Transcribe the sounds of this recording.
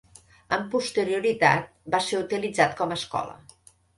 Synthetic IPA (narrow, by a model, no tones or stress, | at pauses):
əmpust̪əɾiuɾit̪a̰t̪̚baseut̪ilid͡zat̪̚kɔməskɔ̰lə̰